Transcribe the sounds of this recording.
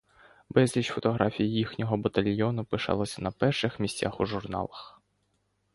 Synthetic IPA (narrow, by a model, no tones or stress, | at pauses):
bɛzʲlʲit͡ʃfɔt̪ɔɦɾɑfʲijijixnʲɔɦɔbɐt̪ɐlʲjɔnʊpɪʃɑ̰lˠɔsʲɐnɐpɛrʃɪxmʲisʲtʲa̰xuʒʊrnɑ̰lˠɐx